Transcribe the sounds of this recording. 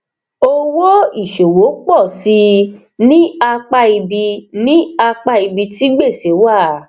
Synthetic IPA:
o˦˧wo˦i˦˨ʃo˨wo˨˦k͡pɔ˦˨si˧ | nĩ˦a˧k͡pa˧i˧bi˧nĩ˦a˧k͡pa˦i˧bi˧ti˦ɡ͡be˦˨se˨˦wa˦˨

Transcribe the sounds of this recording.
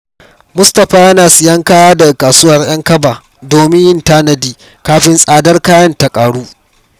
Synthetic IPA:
mʊ˦stɐ˨ɸaː˦jɐ˦naː˨sɪ˨jɐ˦ŋkaː˦waː˦da˨kaː˨suː˦wɐ˨rj̰ɐ˦ŋkɐ˦baː˨ | doː˨mɪ˦ɲjɪ˦ntaː˦nɐ˨diː˦ | kaː˦ɸɪ˦nsʼaː˨dɐ˦rkaː˦jɐ˦nta˨kʼaː˨ɽuː˦

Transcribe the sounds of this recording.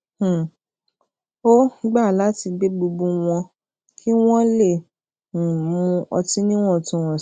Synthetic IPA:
o˦ɡ͡ba˦˨la˨˦ti˧ɡ͡be˦ɡ͡bu˧bũ˧w̃ɔ̃˧ | kʰi˦w̃ɔ̃˦lẽ˦˨ | mũ˧ɔ˧tĩ˦nĩ˦w̃ɔ̃˦˨tũ˧˦˨w̃ɔ̃˨

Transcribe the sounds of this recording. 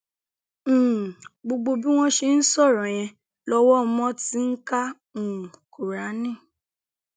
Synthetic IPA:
ɡ͡bo˧ɡ͡bo˧bi˦w̃ɔ̃˦ʃe˧n̩˦sɔ˦˨ɾɔ̃˨j̃ɛ̃˧ | lɔ˧wɔ˦mɔ̃˦ti˦ŋ̩˦ka˦ | ũ˨ko˨ɾa˨˦nĩ˦˨

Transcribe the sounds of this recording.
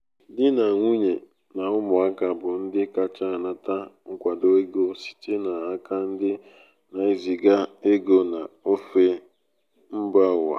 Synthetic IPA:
dɪ˦na˨ŋʷu˦ɲe˨ | na˨ʊ˦mʊ˨a˦ka˨bʊ˨n̩˦dɪ˦ka˨t͡ʃa˦˨na˨ta˦ŋ̩˦kʷa˨do˦e˦ɡo˦si̥˨te˦na˨a˦ka˦n̩˦dɪ˦ | na˨e˨zi˨ɡa˦e˦ɡo˦na˨o˦fe˦ | m̩˦ba˦ʊ˨a̰˨

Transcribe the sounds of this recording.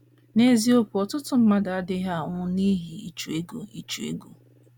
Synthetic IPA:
ne˦zi˦o˦ku˨ɔ˨tʊ˦tʊ˨˦m̩˦ma˦da˨a˦dɪ˦ɦa˦˨ŋʊ˦ni˦ɦi˨ḭ˨t͡ʃu˨e˦ɡo̰˨i˨t͡ʃu˨ḛ˦ɡo˨

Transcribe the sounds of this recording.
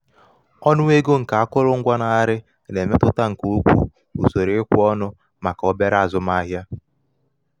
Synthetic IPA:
ɔ˦nʊ˦e˦ɡo˦ŋ̩˨ka˨a˦kʊ˦ɾʊ˦ŋ̩˦ɡʷa˦na˨a˦ɾɪ˦ | ne˨me˦tʊ˦ta˦ŋ̩˨ku˦u˦kʷu˦ | ṵ˨so˨ɾe˨˦kʷʊ˦ɔ˦nʊ˦ | ma˨ka˨ɔ˦be˦ɾa˦˨zʊ˦ma˦ɦja˦

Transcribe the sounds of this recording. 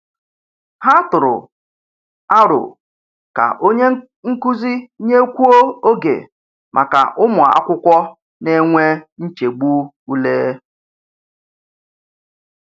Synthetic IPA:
ha˦tʊ˨ɾʊ̰˨ | a˦ɾʊ̰˨ | ka̰˨ʔo˦ɲe˦ | ŋ̩˦ku˦zi˦ɲe˦kʷu˦o˦o˦ɡḛ˨ | mʔa̰˨ka̰˨ʔʊ˦mʊ˨a̰˦kʷʊ˦kʷɔ˦ | ne˦ŋʷe˦n̩˦t͡ʃe˨ɡ͡bu˦ | u˦leː˦

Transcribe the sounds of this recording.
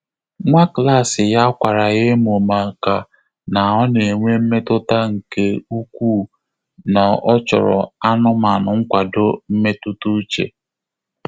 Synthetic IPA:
ŋʷa˦kla˦˨sɪ˨ja˦kʷa˨ɾa˨ɣe˦mo˨ma˨ka˨ | na˨ɔ˦ne˨ŋʷe˦m̩˦me˦tʊ˦ta˦ŋ̩˨ke˦u˦kʷuː˦˨ | na˨ɔ˦t͡ʃɔ̰˨ɾɔ̰˨a˦nʊ˦ma˨nʊ˨ŋ̩˦kʷa˨dʊ˦m̩˦me˦tu˦tu˦t͡ʃḛ˨

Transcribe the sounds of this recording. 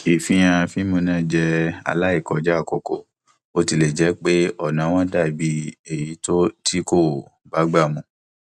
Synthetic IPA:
i˨fĩ˧˦j̃ã˧fi˦mũ˧nã˦d͡ʒɛ˦˧a̰˧la˦i˦˨kɔ˨˧d͡ʒa˦˨ko˧ko˨ | o˧ti˧le˨d͡ʒɛ˨˦k͡pe˦ɔ˦˨nã˨˦w̃ɔ̃˦da˦˨bi˧˦e˨ji˨˦to˦tʰi˦ko˦˨ba˨˦ɡ͡ba˦˨mɔ̃˧

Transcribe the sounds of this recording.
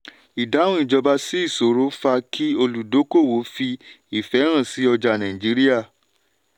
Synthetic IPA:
i˨dã˨˦ũ˦i˨d͡ʒɔ˧ba˧si˦i˦˨so˨ɾo˨˦fa˧kʰi˦o˧lu˨do˨˦ko˦˨wo˨˦fi˧ | i˨fɛ˨˦ɾ̃ã˦˨si˨˦ɔ˧d͡ʒa˧nã˨ĩ˨d͡ʒi˨˦ɾi˦ja˦˨

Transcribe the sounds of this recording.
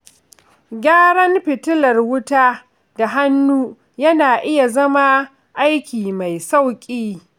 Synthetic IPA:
ɡʲaː˦ɽɐ˦mɸɪ˨tʊ˦lɐ˨rwʊ˦taː˦ | da˨ɦa˦nːuː˦ | jɐ˦naː˨ʔɪ˦ja˨zɐ˦ma˦ | ʔa˦jkʲiː˨ma˨jsa˦˨wkʲʼiː˦

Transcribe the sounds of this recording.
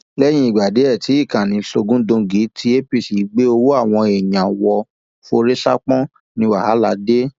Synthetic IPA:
lɛ˦j̃ĩ˧˦i˦˨ɡ͡ba˨de˨˦ɛ˦˨ti˨˦i˦˨kã˨nĩ˨˧˦ɬo˧ɡũ˦dõ˧ɡi˨˦tʰi˧˦e˦pi˦˨si˨˦ɡ͡be˦o˧wo˦a˦˨w̃ɔ̃˧e˨jã˨wɔ˧ | fo˧ɾe˦ʃa̰˦k͡pɔ̃˦ | nĩ˧wa˨ha˨˦la˨˧de˦

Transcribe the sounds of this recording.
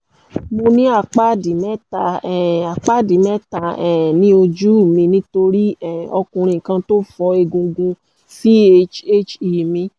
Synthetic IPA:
mo˧nĩ˦a˦˨k͡pa˦di˨mɛ˦ta˧ɛ˨a˨k͡pa˦˨di˨mɛ˦ta˧ɛ˨nĩ˦o˧d͡ʒu˦˨mĩ˧nĩ˦to˧ɾi˦ɛ˦˨ɔ˧kũ˧ɾ̃ĩ˧˨kã˧to˦fɔ˧e˧ɡũ˧ɡũ˧ | fi˦e˦t͡ʃe˦t͡ʃi˨mĩ˧

